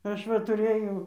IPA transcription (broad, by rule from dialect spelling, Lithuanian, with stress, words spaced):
ˈɐʃ ʋɐ tʊˈrɘjɛʊ